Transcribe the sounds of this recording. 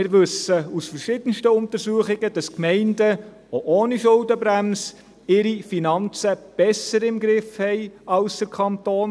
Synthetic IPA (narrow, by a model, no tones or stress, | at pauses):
ɪɾʋɵsəusfərʃɪd̥ənʃtəʊnt̪əɾsuːəχɪɡəd̥ɑskmɛɪndə | oʔoːniʃʊldəbɾæms | ɪɾifinɑnt͡səb̥ɛsəɾɪmɡɾɪfhɛɪɑlsd̥əɾkʰɑnt̪oːn